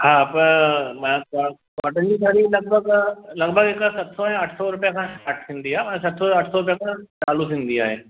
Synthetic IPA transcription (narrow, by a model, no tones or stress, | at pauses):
hãːpɐɾmɛ̃ka | kɔʈə̃nd͡ʒisaːɾilɐɡ̚bʱəɡlɐɡbʱəɡekasɐt̪soɦɛ̃ɐʈʰsɔɾʊpjakʰãʃaːʈʰsɪ̃nd̪ijamɛ̃sɐt̪soɐʈʰsɔɾʊp̬jakãt͡ʃaːlusɪ̃nd̪ijaɦɛː